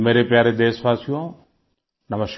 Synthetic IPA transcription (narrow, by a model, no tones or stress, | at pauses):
meːɾepjaːɾed̪eːsʋaːsijõ | nɐməʃ